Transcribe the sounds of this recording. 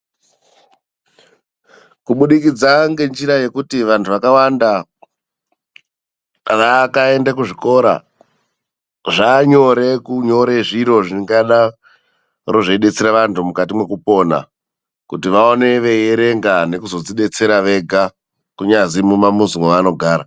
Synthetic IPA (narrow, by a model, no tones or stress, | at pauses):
kuɓuɗikid͡zaŋɡe̞nd͡ʒiɾaje̞kutiʋantʰuʋakawanda | ʋakae̞ndakuʐiko̞ɾa̰ | ʐaɲo̞ɾe̞kuɲo̞ɾeʐiɾo̞ʐiŋɡaɗa | ro̞ʐeiɗe̞t͡seɾaʋantʰumukat̬imwe̞kupo̞na̰ | kutiʋaone̞ʋe̞jeɾe̞ŋɡane̞kuzo̞d͡ziɗe̞t͡se̞ɾaʋe̞ɡʱa | kuɲazimumamuzuŋoano̞ɡʱaːɾa